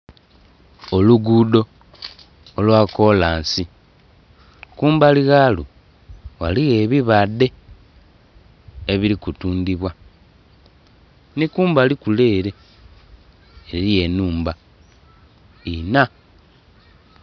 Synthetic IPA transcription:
oluɡudo̞ | lwako̞laːnsi | kuːmbaliɣalu | ɣaliɣe̞βiβade̞ | eβiɾikutuːnd̪iβwa | nikuːmbalikule̞ːɾe̞ | ɾije̞nuːmba | ina

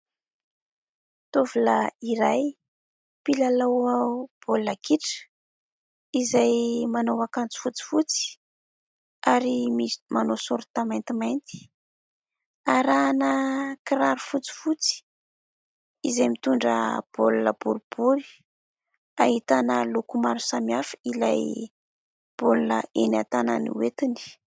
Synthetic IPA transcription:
t̪uvulaiɾaj | pilalawab̥olːakiʈ͡ʂə̥ | izajmanowakant͡si̥fut͡si̥fut͡si̥ | aɾimimanosuɾut̪amant̪imajnt̪i̥ | aɾanəkiɾaɾufut͡si̥fut͡si̥ | izajmit̪uɳɖ͡ʐə̰b̥olunə̰b̥uɾub̥uɾi̥ | a̰ɦhit̪anəlukumaɾu̥samiafilaj | b̥olunə̰ena̰t̪ana̰nḭwet̪ini̥

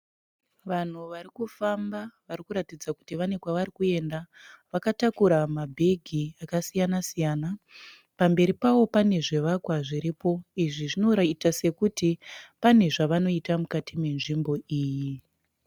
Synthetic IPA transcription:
ʋan̤uʋaɾikufambaʋaɾikuɾatid͡zaku̥tiʋane̞kwaʋaɾikue̞nda | ʋakatakuɾamabʱe̞ɡʱiakasijanasijana | pambe̞ɾipawo̞pane̞ʐe̞ʋakwaʐiɾipo̞iʐiʐino̞ɾaitase̞kutipane̞ʐaʋano̞itamukatʰime̞nʐimbo̞ʔiːji

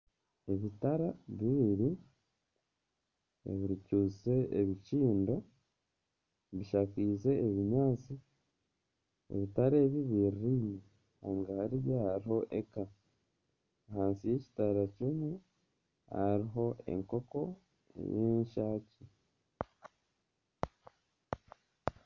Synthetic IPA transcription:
e̞βitaɾaβiɾi | ḛβiɾicuːse̞eβiciːndo̞ | βiʃakiːze̞ːβiɲaːt͡si | ḛβitaɾeːβiβiɾiɾime | aːŋɡahaɾiβjahaɾiho̞ʔe̞ka | ɦaːnsije̞ci̥taɾacimwe | ha̰ɾiɦo̞e̞̰ŋko̞ko̞ | ḛjeːɲʃaːci

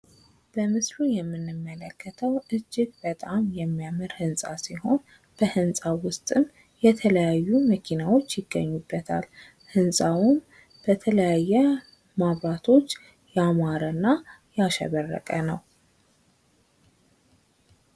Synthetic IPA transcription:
b̥əmɨslujɛmːɨnːɨmːələkːət̪ʰəwʔɨd͡ʒːɪɡbət̪ʼamjɛmːijamɨɾhɨnsʼasiho̞n | b̥əhɨnsʼawʊst̪ʼɨm | jɛt̪ʰələjajːuməkʰinawo̞t͡ʃːjɪɡːə̰ɲːubːət̪ʰa̰l | hɨnsʼawʊm | b̥ət̪ʰələjajːɛ | maβɾat̪ʰo̞t͡ʃː | jamaɾənːajaʃɛ̰βərːə̰kʼənəw

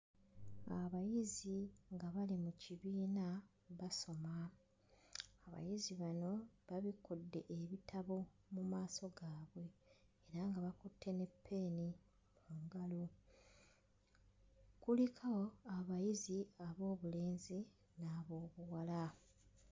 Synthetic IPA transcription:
aβajiziŋɡaβalimuciβiːna | βaso̞ma | aβa̰jiziβano̞βaβikudːe̞ʔeβitʰaβo̞ | mumaːso̞ɡaːβwe̞ː | ɾaŋɡaβakutʰːe̞ne̞pʰːe̞ːni | muːŋɡalo | kulikʰawo̞aβajiziaβo̞ːβule̞ːnzi | naβo̞ːβuwala

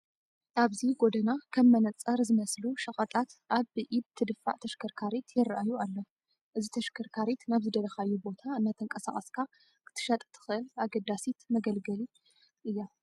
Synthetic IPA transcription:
ʔaβziɡo̞d̪ɐnakʰɐmːɐnɐt͡sʼɐɾzɨmɐsluʃɐχʼɐt̪ʼat̪ʔaβʔibt̪ʰɨd̪ɨfːa̰ʕt̪ʰɐʃkʰɐɾkʰaɾit̪ʰjɪrːʔajualːo | ʔɨzit̪ʰɐʃkʰɐɾkʰaɾit̪naβzɨd̪ɐlɐxajːubo̞t̪ʰaɨnːat̪ʰɨŋkʼɐsa̰χʼɐskʰa | kʰɨ̥t̪ʰɨ̥ʃɐt̪ʼt̪ʰɨ̥xɨʔɨlaɡɐd̪asit̪mɐɡɐlɡɐli | ʔɨjːa

